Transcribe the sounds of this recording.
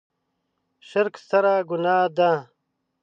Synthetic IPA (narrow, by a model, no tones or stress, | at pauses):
ɕɐɾksɐɾaːɡunaːd̪aː